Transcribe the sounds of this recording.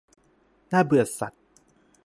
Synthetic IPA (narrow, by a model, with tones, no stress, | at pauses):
na˥˩bɯ˨˩ɐ˩sa̰˨˩t̪̚